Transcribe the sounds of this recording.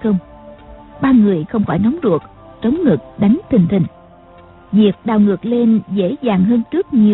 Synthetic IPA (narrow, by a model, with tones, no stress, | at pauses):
xə˧wŋ͡m | ɓaː˧ŋɨ˨˩əjxə˧wŋ͡mfɔː˧˩jnɔ˨˦wŋ͡mzu˨˩ək̚ | t͡ɕə˨˦wŋ͡mŋɨ˨˩ək̚ɗa˨˦jŋ̟t̪ʰï˨˩ŋ̟t̪ʰï˨˩ŋ̟ | vi˨˩ək̚ɗaː˨˩wŋɨ˨˩ək̚le˧nzḛ˧˥zaː˨˩ŋɦəː˧nt͡ɕɨ˦˥ək̚ɲi˨˩